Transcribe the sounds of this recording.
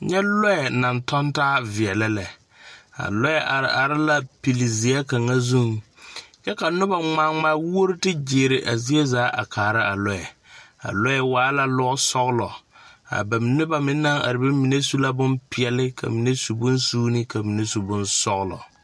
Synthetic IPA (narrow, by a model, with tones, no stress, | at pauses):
ɲɛ˦lɔ˦ɛ˨na˨ntɔ˦ntaː˦vɪ˨ɛ˨lɪ˦lɛ˨ | a̰˨lɔ˦ɛ˦ʔa˨ɾɪ˨ʔa˨ɾɪ˦la˦pi˨lɪ˨zɪ˨ɛ˦ka˨ŋa˦zu˦ŋjɛ˦ka˨nʊ˦ba˨ŋ͡ma˦ŋ͡ma˦wo˦ɾtɪ˦d͡ʒe˨ɾɪ˨ʔa˨zi˦e˦zaː˨˦ʔa̰˨kʰaː˨ɾa˦a˨lɔ˦ɛ˨a̰˨lɔ˦ɛ˨waː˨˦la˨lʊ˦sɔ˦ɣlɔ˨a̰˨bɛ˨m˨nɪ˦ba˨mɪ˦nːa˦ŋa̰˨ɾɪ˨bɪ˦mi˨ne˦su˦la˦bʊ˦mpɪ˦ɛ˨lɪ˦kʰa̰˨mi˨ne˦su˨bʊ˦nsuː˦nɪ˦ka˨mi˨ne˦su˨bʊ˦nsɔ˦ɣlɔ̰˨